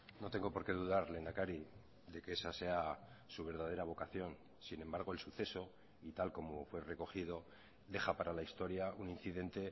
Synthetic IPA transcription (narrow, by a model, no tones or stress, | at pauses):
no̞t̪e̞ŋɡo̞po̞ɾke̞ðuðaɾle̞nakaɾi | ðe̞keesase̞asuβ̞e̞ɾð̞að̞e̞ɾaβ̞o̞kaθjo̞n | sine̞mbaɾɣo̞e̞lsuθe̞so̞ | it̪alko̞mo̞fwe̞re̞ko̞xið̞o̞ | d̪e̞xapaɾalaist̪o̞ɾjaunin̟θiðe̞nt̪e̞